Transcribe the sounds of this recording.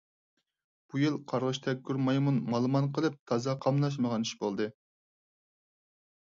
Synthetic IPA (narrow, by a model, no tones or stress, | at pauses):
b̥ujɨlˠqʰɑɾʁɨʃt̪ʰɛk̚ʲɡʲyɾmɑjmunmɑlˠmɑnqəlˠɨp̚t̪ʰɑzɑqʰɑmnˠɑʃ̬məʁɑniʃbolˠd̪ɨ